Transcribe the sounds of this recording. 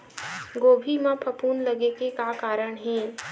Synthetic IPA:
ɡoːbʱimãpʰɐpuːnlɐɡekekakaːɾəɽ̃ɦɛ̃ː

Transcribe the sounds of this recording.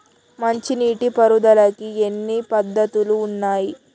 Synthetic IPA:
mɐɲt͡ʃiniːʈipɐɾud̪ɐlɐkienːipɐd̪ːɐt̪uluːnːaːji

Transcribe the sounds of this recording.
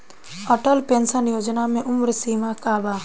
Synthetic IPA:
ɔʈəlpensənjoːd͡ʒnamẽʔʊmɾsiːmakaːbaː

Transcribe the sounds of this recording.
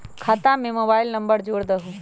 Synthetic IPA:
kʰaːt̪ãmẽmoːbaːɪlnɐmbəɽd͡ʒoːɽd̪əɦuː

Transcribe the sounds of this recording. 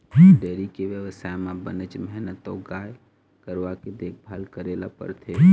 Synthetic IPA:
ɖeːɾikeʋjəʋəsajmãbənət͡ʃmɦnət̪ɔɡaj | kəɾʋaked̪eːkʰbʱalkəɾelapə̰ɾt̪ʰe

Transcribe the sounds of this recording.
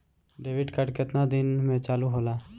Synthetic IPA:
ɖeːʋɪɖkəɖkɪt̪nad̪ɪnmẽt͡ʃaːluɦoːlaː

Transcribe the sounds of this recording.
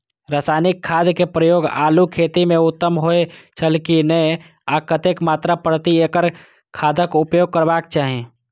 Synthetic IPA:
ɾaːsaːnɪkʰːaːd̪kepɾəjoːɡaːlukʰeːt̪imẽʊt̪ːəmɦoet͡ʃʰəlkinəe | akət̪eːkmaːt̪ɾapəɽt̪ieːkəɾ | kʰaːd̪ʱəkʊpjoːɡ̚kəɾbaːk̚t͡ʃaːɦẽː

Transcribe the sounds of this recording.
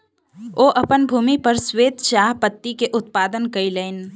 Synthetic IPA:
oːʔɐpənbʱuːmipəɾsweːd̪ʃaːɦpət̪ːikeʔʊt̪paːd̪ənkəileːn

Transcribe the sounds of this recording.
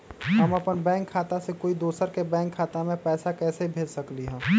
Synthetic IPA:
ɦəməpənbɛ̃ːŋkʰːaːt̪asekoːid̪oːsəɾkebɛ̃ːŋkʰːaːt̪amẽpɛːsakɛːsebʱeːd͡ʒsəkliɦɛ̃ː

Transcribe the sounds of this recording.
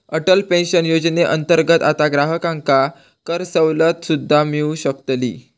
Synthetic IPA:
əʈəlpẽnɕənjod͡ʑneʔənt̪əɾɡət̪at̪aɡɾaɦəkãŋka | kəɾsəwlət̪sud̪ʱːamiuɕəkt̪lḭː

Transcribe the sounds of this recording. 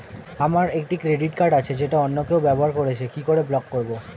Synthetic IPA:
amaɾek̚ʈikɾeɖiʈkaɾɖat͡ɕʰed͡ʑeʈaɔnːokewbɛboɦaɾkoɾet͡ɕʰekikoɾeblɔkːoɾbo

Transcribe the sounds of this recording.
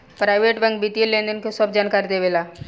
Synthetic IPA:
pɾajʋeʈʋə̃ŋɡbʱit̪ilːend̪ənkesɔb̚d͡ʑankaɾd̪eʋela

